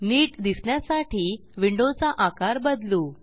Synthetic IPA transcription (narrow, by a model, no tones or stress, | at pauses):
niːʈd̪isɳjasaʈiː | ʋiɳɖot͡saʔakaɾbəd̪luː